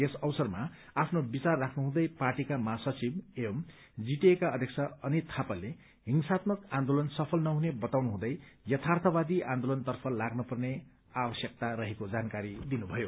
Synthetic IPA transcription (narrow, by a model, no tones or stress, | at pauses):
esʌwsʌrma | apʰnobit͡sarːakʰnuɦũd̪ʌjparʈikamasʌt͡sibem | d͡ziʈiekaʌd̪ʱjek̚sʰʌʌnit̪ʰapʌle | ɦiŋsat̪mʌkãnd̪olʌnsʌpʰʌlnʌɦunebʌt̪awnuɦũd̪ʌjjʌt̪ʰart̪ʰʌbad̪iʔãnd̪olʌnt̪ʌrpʰʌlaɡnupʌrne | abʌsjʌk̚t̪aɾʌɦekod͡zankaɾid̪inubʱʌjo